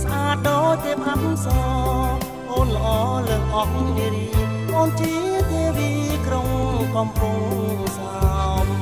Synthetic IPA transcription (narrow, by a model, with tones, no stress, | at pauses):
sʔaː˧t̪̚ɗoː˦t̪eː˧pʰa˧mmsɔː˧ | koː˧nləʔɔː˧ləː˧hʔɔ˧ʔ̚nɗi˧ɾiː˧ʔɔː˧nt͡ɕi˧˦t̪eː˧wiː˧kɾo˧ŋkɔ˧mpu˧ŋsap̚